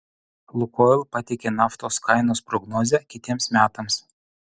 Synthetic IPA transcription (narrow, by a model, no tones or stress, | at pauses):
lˠʊkoːɪlˠpɐt̪ʲɪkʲenɑːft̪oːskʰɑɪnoːspɾɔɡnoːzʲɛkʲɪt̪ʲiɛmsmʲæːt̪ɐms